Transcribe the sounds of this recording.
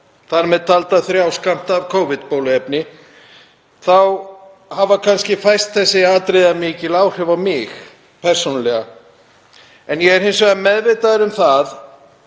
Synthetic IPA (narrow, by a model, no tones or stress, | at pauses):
θaɾmɛðt̪ʰalt̪aθɾjawskam̥t̪avkʰoːwvɪt̪poːwlʏɛpnɪ | θaw | havakʰanscɪfajst̪θɛsːɪaːt̪ɾejðamɪːcɪlaːwr̥ɛvawmɪx | pʰɛr̥sonalɛɣa | ɛnjɛɣɛɾ̥hejnsvɣamɛðvɪːt̪aðɪɾʏmθað